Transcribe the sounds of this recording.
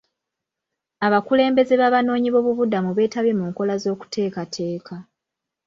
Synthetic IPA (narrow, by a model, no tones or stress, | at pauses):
aβakule̞ːmbe̞ze̞βaβano̞ːɲiβo̞ːβuβudamuβe̞ːtaβje̞muːŋko̞lazo̞ːku̥tʰe̞ːkatʰe̞ːkʰa